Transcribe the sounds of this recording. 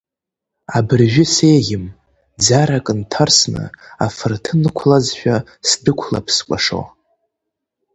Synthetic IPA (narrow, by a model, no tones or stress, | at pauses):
abɨrʒᶣʷʊse̞jɣʲɪm | d͡zaɾakʼɨntʰarsnɨ̰afɨrtʰɨnɨkʷʰlazʃᶣa | sdɨkʷʰla̰pʰskʷʼaʂo̰